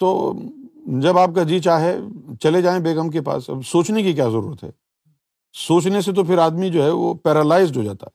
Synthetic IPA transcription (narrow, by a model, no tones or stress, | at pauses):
t̪o̰ː | d͡ʒɐbaːp̚kad͡ʒiːt͡ʃaːɦɛt͡ʃɐled͡ʒaːẽbeːɡəmkepa̰ːsɐ̰bsoːt͡ʃnekik̬jaːzɐɾṵːɾət̪ɦɛ̰ː | soːt͡ʃnes̬et̪̬opʰɪɾaːd̪mid͡ʒoːɦɛʋo̰pɛːɾəlaːɪzɖɦod͡ʒaːt̪a̰ɦɛ